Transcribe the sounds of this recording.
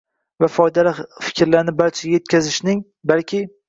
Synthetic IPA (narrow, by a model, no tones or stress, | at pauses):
vafɒjd̪alafɪ̥kʲʰɾlaɾnɪbaɾt͡ʃʰaje̞t̪̚kʲʰazɪʃnɪŋ | balkʲʰɪ